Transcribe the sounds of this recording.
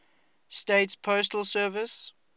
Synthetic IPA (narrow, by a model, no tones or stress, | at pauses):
steɪtspʰoʊstəlsɜːvɪs